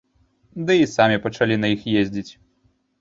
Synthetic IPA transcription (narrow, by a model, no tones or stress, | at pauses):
d̪ɨisamʲipɐt͡ʂalʲinɐjixjezʲd͡zʲit͡sʲ